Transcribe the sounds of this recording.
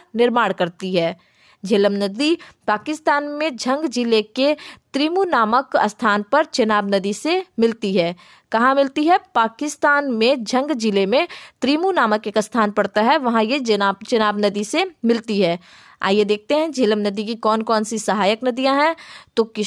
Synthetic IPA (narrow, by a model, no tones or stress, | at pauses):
nɪɾmaːɽkɐɾt̪iɦɛː | d͡ʒeːləmnəd̪ipaːkɪst̪aːnmẽd͡ʒʱɐ̃ŋɡd͡ʒɪleket̪ɾiːmunaːməkəst̪ʰaːnpɐɾt͡ʃɐnaːbnɐd̪isemɪlt̪iɦɛː | kɐɦãmɪlt̪iɦɛpaːkɪst̪aːnmẽd͡ʒʱɐ̃ŋɡd͡ʒɪlemẽt̪ɾiːmunaːməkeːkəst̪ʰaːnpɐɽt̪aɦɛʋɐɦãjet͡ʃɐnaːbnɐd̪isemɪlt̪iɦɛː | a̰ːjed̪eːk̚t̪eɦɛ̃d͡ʒeːləmnɐd̪ikikɔːnkɔːnsisɐɦaːjəknɐd̪ijãɦɛ̃t̪okɪ